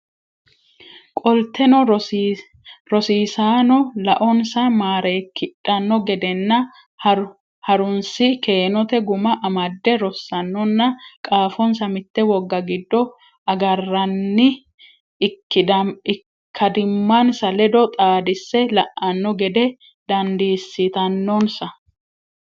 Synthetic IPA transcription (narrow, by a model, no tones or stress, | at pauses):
kʼɔlt̪ːɛnɔ | ɾɔsiːsaːnɔlɐʔɔnsɐmaːɾɛːkːɪᶑʼɐnːɔɡɛd̪ɛnːɐ | hɐɾʊnsɪke̞ːnɔt̪ɛɡʊmɐʔɐmɐd̪ːɛɾɔsːɐnːɔnːɐkʼaːfɔnsɐmɪt̪ːɛwɔɡːɐɡɪd̪ːɔ | ɐɡɐrːɐnːɪ | kːɪdɐɪ | kʰːɐd̪ɪmːɐnsɐlɛd̪ɔt̪ʼaːd̪ɪsːɛlɐʔːɐnːɔɡɛd̪ɛ | d̪ɐnd̪iːsːɪt̪ɐnːɔnsɐ